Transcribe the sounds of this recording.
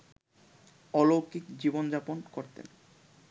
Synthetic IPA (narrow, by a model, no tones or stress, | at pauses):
ɔlokikd͡ʑibond͡ʑaponkoɾt̪ḛn